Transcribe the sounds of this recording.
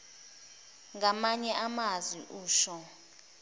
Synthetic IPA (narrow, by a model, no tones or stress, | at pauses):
ŋamaɲɛʔamazwḭʔuːʃɔ